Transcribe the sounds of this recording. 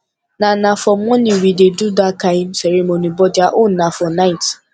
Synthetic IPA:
nãnafɔmɔ̃nĩwidedudakaimsɛɾemonibɔd͡ʒaʔonafɔnaɪt

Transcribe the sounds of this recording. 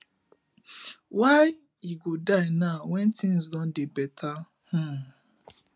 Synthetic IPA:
waj | iɡodainawɛntĩn̩zdɔ̃n̩dɪbɛtʰa | hũ

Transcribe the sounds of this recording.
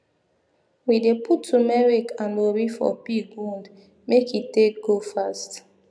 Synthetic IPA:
widepʰutʰːumɛɹikãnwobifɔ̰piɡũld | mekitek̚ɡ̥ofast

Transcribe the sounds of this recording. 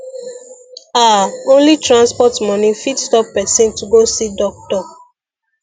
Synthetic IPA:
aõnlitɹãnspɔtmɔ̃nĩfitstɔpːɛsĩntuɡosidɔk̚tɔ

